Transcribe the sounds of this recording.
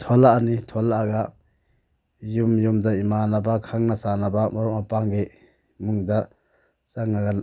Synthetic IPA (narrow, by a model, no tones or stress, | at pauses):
tʰɔlaːnitʰɔlaːɡa | jumjumdaimanabakʰaŋnasanabamɔɾɔʔ̚mapaŋɡe | muŋda | t͡ʃaŋaɡa